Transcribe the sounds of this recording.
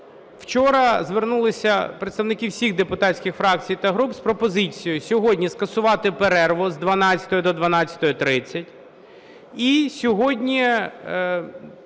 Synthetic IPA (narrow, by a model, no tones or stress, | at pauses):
w̥t͡ʃɔɾɐzʋernulˠɪsʲɐpɾet̪st̪ɐʋnɪkiwsʲiɣd̪epʊt̪ɑtʲsʲkʲɪxfɾɑk̚t͡sʲijt̪ɐɦɾupspɾɔpɔzɪt͡sʲijʊsʲɔɦɔdʲnʲiskɐsʊʋɑt̪ɪpeɾɛrʋʊzd̪ʋɐnɑt͡sʲɐ̥t̪ɔjʊd̪ɔd̪ʋɐnɑt͡sʲːɐ̥t̪ɔjɔt̪ɾɪt͡sʲːɐtʲ | isʲɔɦɔdʲnʲi